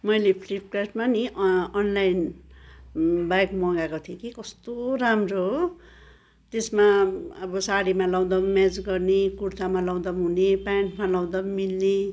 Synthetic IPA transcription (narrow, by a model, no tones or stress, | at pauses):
mʌjlepʰlip̚kraʈmaniʌnlajn | bajkmʌɡakot̪ʰekikʌst̪oramroɦ | t̪esmaʌbʌsaɽimalʌw̃d̪ʌmed͡zɡʌrnekuɾtamalaw̃d̪ʌmɦunepaɳʈmalaw̃d̪ʌmmilne